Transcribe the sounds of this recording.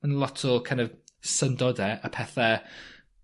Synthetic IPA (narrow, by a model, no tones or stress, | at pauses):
ənlˠɔtʰɔkʰajndɔvsəndɔdɛapʰɛθɛ